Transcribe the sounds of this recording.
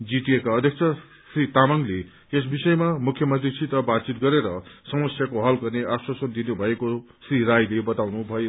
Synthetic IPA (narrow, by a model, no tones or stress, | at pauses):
d͡ziʈiekaʌd̪ʱjʌk̚t͡sʰʌ | srit̪amʌŋle | es̬bisʌjmamukʰjʌmʌnt̪risʰit̪ʌbad̪t͡sit̪̚ɡʌɾeɾʌsʌmʌsjakoɦʌlɡʌrneʔaswasʌnd̪inubʱʌeko | sriɾajlebʌt̪awnubʱʌe